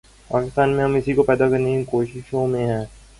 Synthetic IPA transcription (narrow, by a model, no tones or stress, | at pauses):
paːkɪst̪aːnmẽɦɐmɪsikopɛːd̪akɐɾnekĩkoːʃɪʃõmẽɦɛ̃ː